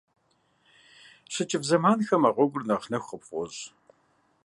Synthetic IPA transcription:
ɕɨt͡ʃʼɪvzɐmaːnxɐmaʁʷɔɡʷʊrnɐχnɐxʷəpʼʷɔʑ

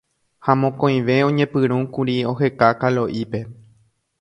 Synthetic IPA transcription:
hamõkõj̃ʋe̞õ̞ɲẽ̞pɨɾ̃ũkuɾio̞ɦe̞kakalo̞ʔipe̞

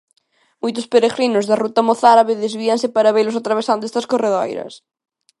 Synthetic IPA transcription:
mojt̪̬ʊspeɾeɣɾinʊzðɐrut̪ɐmoθaɾaβeðezβiɐŋsɪpaɾɐβejlʊsat̪ɾaβ̞esand̪ʊest̪ɐskoreðɔjɾɐ̰s

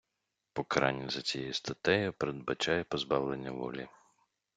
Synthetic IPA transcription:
pɔkɐɾɑnʲːɐzɐt͡sʲijɛjust̪ɐt̪ɛjʊpɾed̪̚bɐt͡ʃɑjɛpɔzbɑwlˠenʲːɐʋɔ̰lʲi

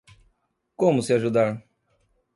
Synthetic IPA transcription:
kõmʊsɪaʒud̪aɾ

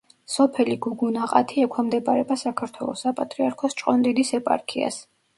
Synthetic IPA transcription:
sɔpʰɛliɡuɡunaqʼa̰t̪ʰiɛkʷʰwamd̪ɛpʼaɾɛbasakʰaɾt̪ʰwɛlˠɔ̰sapʼat̪ʼɾiaɾkʰɔst͡ʃʼqʼɔnd̪id̪isɛpʼa̰ɾkʰia̰s

